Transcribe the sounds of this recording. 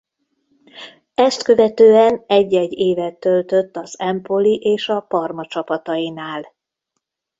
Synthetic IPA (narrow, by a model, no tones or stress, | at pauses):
ɛst̪kø̞vɛt̪øːɛnɛɟːɛɟːeːvɛt̪ːø̞lt̪ø̞t̪ːɒzɛmpoliʔeːʃɒpɒrmɒt͡ʃɒpɒt̪ɒjinaːl